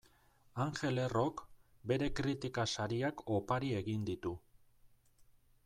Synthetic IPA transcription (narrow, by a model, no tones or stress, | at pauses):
aŋxe̞le̞ro̞kbe̞ɾe̞kɾit̪ikasaɾiakʰo̞paɾie̞ɣind̪it̪u